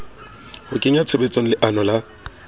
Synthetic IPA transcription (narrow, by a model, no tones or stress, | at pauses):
hʊkʼɪɲat͡sʰɪrɪt͡sʼon̩lɪʔanɔla